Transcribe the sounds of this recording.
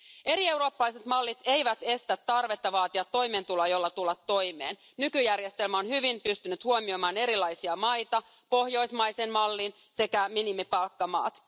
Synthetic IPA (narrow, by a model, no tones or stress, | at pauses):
e̞ɾie̞wɾo̞ːpːɑlɑjse̞t̪mɑlːit̪e̞jʋæt̪e̞st̪æt̪ːɑrʋe̞t̪ːɑʋɑːt̪iɑt̪ːo̞jmeːnt̪ulɑjo̞lːɑt̪ulːɑt̪ːo̞jme̞ːn | nykyjærje̞st̪e̞lmæo̞nhyʋimpyst̪ynyt̪huomiomɑːne̞ɾilɑjsiɑmɑjt̪ɑ | po̞hjo̞jsmɑjsenmɑlːin | se̞kæminimipɑlkːɑmɑ̰ːt̪